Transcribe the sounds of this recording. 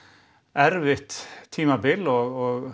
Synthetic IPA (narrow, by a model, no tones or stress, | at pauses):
æɾʋɪht̪ʰːiːmabɪlɔɣɔɣ